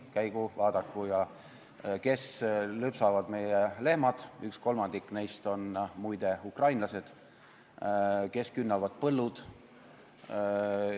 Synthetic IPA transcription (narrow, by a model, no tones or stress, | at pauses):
kæjɡ̥uvɑːd̪̥ɑkːˑujɑ | ke̞slypsɑvɑd̪̥me̞jele̞hmɑd̪̥yksko̞lmɑnd̪ikːˑnejst̪o̞nmujd̪e̞ukrɑjnlɑse̞d̪̥ | ke̞skynːɑvɑd̪̥̚pɤlːud̪̥